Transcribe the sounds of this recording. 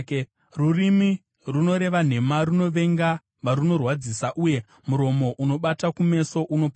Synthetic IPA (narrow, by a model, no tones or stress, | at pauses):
rurimi | runo̞ɾe̞ʋan̤e̞maɾuno̞ʋe̞ŋɡa | ʋaɾuno̞rwad͡zisaʔuje̞ | muɾo̞mo̞ʔuno̞ɓatakume̞so̞ʔuno̞p